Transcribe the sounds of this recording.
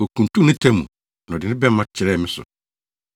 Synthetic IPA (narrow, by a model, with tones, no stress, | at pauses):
o˨kʰũ˨n˨tʰũ˦nɪ̃˦tʰɛ̃˦mṵ̃˨ | n˨ɔ̃˨dɪ˨nɪ̃˦bɛ˦mã˦t͡ɕʰɪ˨ɾɛ˦˨mɪ̃˦sʊ̰˨